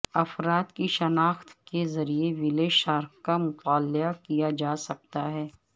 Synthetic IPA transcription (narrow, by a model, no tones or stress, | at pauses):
ɐfɾaːt̪kiʃɐnaːxt̪kezɐɾieʋɪleʃaːɾkkːamʊt̪aːljakijad͡ʒaːsɐk̚t̪aɦɛː